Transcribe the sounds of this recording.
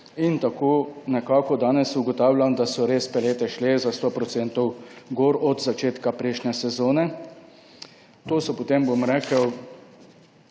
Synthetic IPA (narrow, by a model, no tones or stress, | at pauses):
int̪akoːnɛkaːkɔd̪aːnɛsuɡɔt̪aːwlʲjand̪asɔɾeːspɛleːt̪ɛʃlezast̪oːpɾɔt̪seːnt̪ɔwɡoːɾɔd̪zat͡ʃeːt̪kapɾɛʃnʲɛsɛzoːnɛ | t̪oːsɔpot̪embomɾɛːkəw